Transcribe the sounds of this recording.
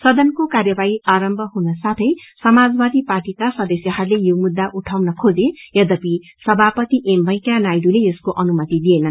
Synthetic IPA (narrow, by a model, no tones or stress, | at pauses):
sʌd̪ʌnkokarjʌbaiʔaɾʌmbʱʌɦunʌsat̪ʰʌjsʌmad͡zbad̪ʱiparʈikasʌd̪ʌsjʌɦʌɾlejomud̪ːaʔuʈʰawnʌkʰod͡zejʌd̪ʌpi | sʌbʱapʌt̪iʔembʱʌj̃kanajɖuleeskoʔʌnumʌt̪id̪ienʌn